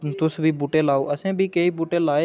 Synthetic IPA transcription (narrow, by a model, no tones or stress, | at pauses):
t̪ʊsbʱiːbuːʈeːlaːoʔəsẽːbʱiːkeiːbuːʈeːlaːe